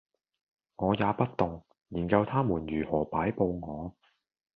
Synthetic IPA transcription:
ŋɔː˨˧jaː˨˧pɐ˥t̚t̪ʊ˨˩ŋ | jiː˨˩nkɐ˧wt̪ʰaː˥muː˨˩njyː˨˩hɔː˨˩paː˨˥jpo˧wŋɔː˨˧

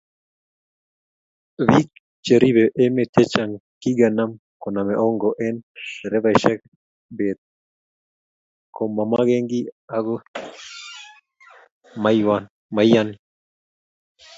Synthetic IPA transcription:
βik̚ | t͡ʃe˨ɾi˦βɛʔe˦me˨t̪e˦t͡ʃa˨ŋki˦ɡa˨na˦m | ko˨na˨mɛʔɔ˦ŋɡɔʔɛ˦nɾɛ˦βaʃɛ˦k̚ | be˨t̪̚ | ko˨ma˨ma˦ɣe˦ŋɡi˦a˦ɡo˦ | mawan | ma˨jani

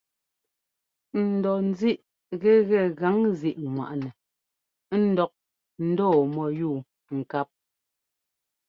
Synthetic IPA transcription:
n̩˨dɔ˨n̩˦zi˦ʔ | ɣɛ˦ɣɛ˦˨ɣa˨˦ŋzi˨ʔŋwa̰˨ʔnɛ˨ | n̩˦˨dɔ˨k̚ | n̩˦dɔː˦˨mɔ˨juː˦˨ | ŋ̩˨ka˦p̚

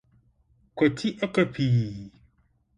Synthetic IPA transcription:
kɔ˨t̪ʰi˦ʔɔ˦kə˦pʰi˨

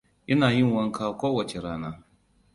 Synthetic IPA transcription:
ʔɪ˦naː˨jɪ˦˨ŋwɐ˦ŋkʰaː˦kʷoː˦wɐ˨t͡ʃe˨ɾaː˦naː˦

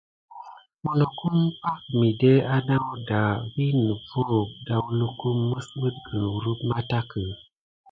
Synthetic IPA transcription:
mo˨no˨ku˦mpa˦k̚mi˨de˦a˦na˦wda˨wi˦nə˨vo˦˨da˨wlu˦ku˦mːə˦sbə˦t̚ɡə˨ɾu˦pma˦ta˦kə˨

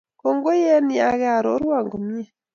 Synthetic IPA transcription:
ko˨ŋɡo˦je˦ni˨a˨ɣa˨ɾo˦ɾwa˨ŋɡo˨mje˦˨

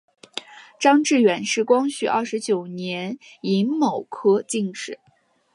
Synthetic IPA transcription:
ʈ͡ʂɑ˥ŋʈ͡ʂɻ̩˥˩ɥɛ˨˩nʂɻ̩˥˩kwɑ˥ŋɕy̰˥˩ʔɐ̰˥˩ʂɻ̩˧˥t͡ɕjo˨˩ʊnjɛ˧˥ni˧˥ŋmo˨˩ʊkʰɤ˥t͡ɕi˥˩ŋʂɻ̩˥˩˦

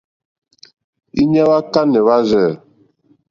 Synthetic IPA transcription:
i˦ɲɛ˦βa˦ka˦nɛ˨βa˦zɛ˦˨

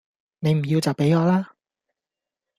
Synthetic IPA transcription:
ne˨˧jm̩˨˩ji˧wt͡sɐ˨wpe˨˥jɔː˨˧laː˥

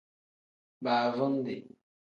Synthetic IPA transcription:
baː˨vɔ˦n˦dḛ˨

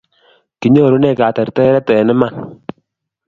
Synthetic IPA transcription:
ki˨ɲɔ˦˨ɾu˦nɛ˦˨ka˨tɛ˨ɾtɔ˦ɛ˦ɾɛ˦tɔ˨ɛ˨nɛ˦ma˨n

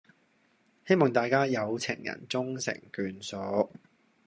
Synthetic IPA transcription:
he˥jmɔː˨˩ŋt̪aː˨jkaː˥jɐ˨˧wt͡sʰɪ̰˨˩ŋjɐ̰˨˩nt͡sʊ˥ŋsɪ̰˨˩ŋkyː˨nsɔː˨˧˥

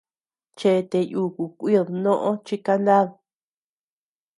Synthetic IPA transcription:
t͡ʃe˧t̪e˧ju˧˨ku˨kʷi˦ðnõ˦ʔõ˦t͡ʃi˦ka˧nd̪a˦ð

